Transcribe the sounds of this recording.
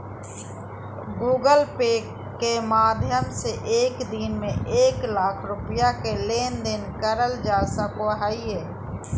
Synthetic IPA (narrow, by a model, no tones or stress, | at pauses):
ɡuːɡəlpeː | kːemaːd̪ʱjəmseʔeːkd̪inmẽʔeːklaːkʰɾʊpjakeleːnd̪ɪnkəɾəld͡ʒaːsakoɦaːiɦeː